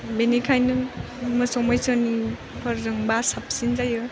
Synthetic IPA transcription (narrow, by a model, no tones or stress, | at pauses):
benikʰajnɯ | mɯsɔmajsɔni | pʰəɾzɯŋbasap̚sinzajɯ